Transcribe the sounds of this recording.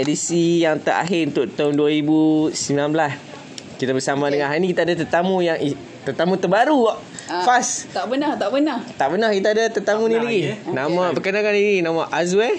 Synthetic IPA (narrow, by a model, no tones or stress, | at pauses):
edisijaŋt̪a̰rʔa̰ɦɪunt̪ʊʔt̪aɦʊnduaɾibusəmbilanbəlas | kit̪abəsamadəŋãnɦanikit̪aadat̪ət̪amũjaŋi | t̪ərt̪amũt̪əbaɾuʔ | fast̪abənat̪abənat̪aʔbənahkit̪aadat̪ət̪amũnĩlaɡinamapəkənaŋaniɡinamaʔazwɛ